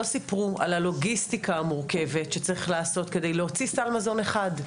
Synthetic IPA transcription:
osipʁua̰lalo̞ɡistikaːmuʁke̞ve̞tʃet͡saʁiχlaːso̞tke̞de̞jleot͡sisalmazo̞neχad

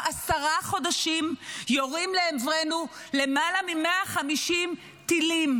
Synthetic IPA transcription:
ʔasaʁaχo̞daʃimjoʁimleemvʁenule̞malamimeaχamiʃim | t̪ilim

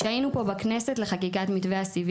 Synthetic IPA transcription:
ʃainupo̞bakne̞setle̞χakikat̪mit̪veasiv

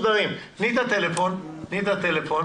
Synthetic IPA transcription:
d̪ɐʁimnid̪at̪elefonnid̪at̪elefo

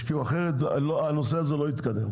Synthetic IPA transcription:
kiuaχeʁet̪loanoseazelo̞it̪kad̪ḛm

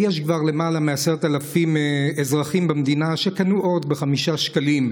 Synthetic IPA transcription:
jeʃkvaʁlemalameaseʁt̪alafimezʁaχimbamd̪inaʃe̞kanuʔo̞d̪beχamiʃaʃkalim

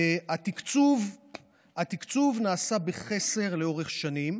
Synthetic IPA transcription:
at̪ikt͡suv | at̪ikt͡suvnaːsabeχe̞se̞ʁle̞o̞ʁeχʃanim

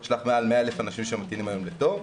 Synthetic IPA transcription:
ʃlaχmeaalmeaelefanaʃimʃemat̪inimajo̞mlet̪o̞v

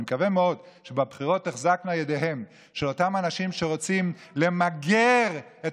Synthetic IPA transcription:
mekavemeo̞d | ʃebabχiʁo̞tːeχzakmeajedeɦe̞m | ʃe̞lo̞tamanaʃimʃe̞ʁo̞t͡simle̞maɡeʁet

